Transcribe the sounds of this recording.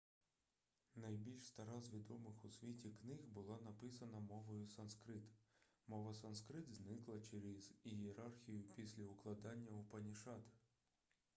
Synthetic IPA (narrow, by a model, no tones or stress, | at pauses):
nɐjbʲilʲʃst̪ɐɾɑzʋʲid̪ɔmɪxʊsʲʋʲitʲiknɪɣbʊlˠɑnɐpɪsɐnɐmɔʋɔjʊsɐnskɾɪt̪ | mɔʋɐsɐnskɾɪt̪znɪklˠɐt͡ʃeɾʲɛzijeɾɑrxʲijʊpʲisʲlʲɐʊklˠɐd̪ɑnʲːɐʊpɐnʲiʃɑt̪